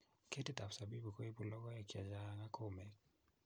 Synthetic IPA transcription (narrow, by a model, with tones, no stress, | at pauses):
ke˦ti˦ta˨fsa˨bi˦bu˨kɔ˦i˦bu˨lɔ˦ɣɔ˦ja˨ki˨a˨d͡ʒa˦ŋa˦ko˦˨mɛ˨k